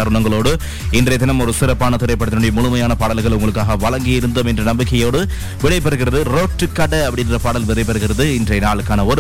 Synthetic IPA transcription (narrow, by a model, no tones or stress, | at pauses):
ɐɾʊɳɐŋɡɐɭoːɽɯ | ɪndrɐɪt̪ːɪnɐmɔɾɯsɪɾɐpːaːnɐt̪ɪɾɐɪpːɐɽt̪ːɪnʊːɽijɐmʊɻʊmɐjaːnɐpaːɽɐlɣɐɭʊŋɡɐɭɯkːaːɣɐʋɐɭɐŋɡɪjɪɾɯnd̪ɐmɛndrɐnɐmbɪkːɐjoːɽɯ | ʋɪɽɐɪpɛɾɯɣɪɾɐðɯɾoːʈːɯkːɐɽɐɐpːɐɽɪndrɐpaːɽɐlʋɪɽɐɪpɛɾɯɣɪɾɐðɯɪndrɐɪnaːɭɯkːaːnɐɔɾɯ